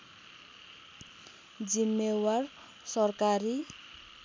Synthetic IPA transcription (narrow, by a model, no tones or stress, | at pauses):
d͡zimːewar | sʌrkaɾi